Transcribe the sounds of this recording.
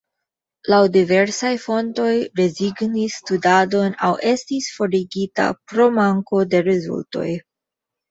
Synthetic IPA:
lawdive̞ɾsajfo̞nto̞jɾe̞ziɡnisːtudado̞nawʔe̞stisfo̞ɾiɡita̰pɾo̞maŋko̞de̞ɾezṵlto̞̰j

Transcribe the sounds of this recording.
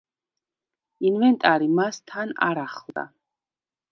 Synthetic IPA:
invɛnt̪ʼaɾimast̪ʰana̰ɾaχlˠd̪a̰

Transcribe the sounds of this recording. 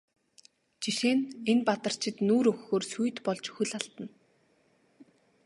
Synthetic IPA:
t͡ɕiʃeːnenpat̪ə̆r̥t͡ɕʰɪ̆t̪nuːɾɵxːoːrsuj̆t̪pɔɮt͡ɕxɵɮaɬt̪ə̆n

